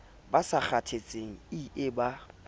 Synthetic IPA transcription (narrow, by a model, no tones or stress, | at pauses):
basak͡xʰatʰet͡sʼeŋ̩iɪba